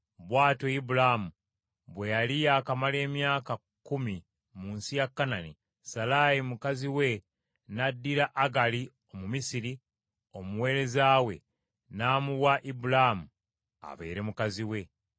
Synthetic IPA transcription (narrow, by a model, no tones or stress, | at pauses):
βwaːtoibulamu | βwe̞jalijaːkamale̞ːmjaːka | kːumi | muːnsijakːanani | salajimukaziwe̞ | nadːiɾaʔːɡali | o̞mumisiɾi | o̞muwe̞ːɾe̞zaːwe̞̰ | naːmuwaʔibulamu | a̰βe̞̰ːɾe̞mukaziwe̞